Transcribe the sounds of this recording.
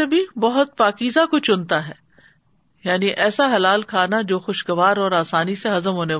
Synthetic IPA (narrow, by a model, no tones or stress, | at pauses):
ebʱibɐɦʊt̪̚paːkiːzakʊt͡ʃʰʊnt̪aɦɛː | jaːniʔɛːsaɦɐlaːlkʰaːnad͡ʒoːxʊʃɡɐʋaːɾɔːɾaːsaːniseɦɐzəmɦoːne